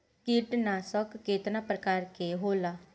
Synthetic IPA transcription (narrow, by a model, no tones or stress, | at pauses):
kiʈnaːsɔkːeːt̪nãːpɾəkaːɾkeɦoːlaː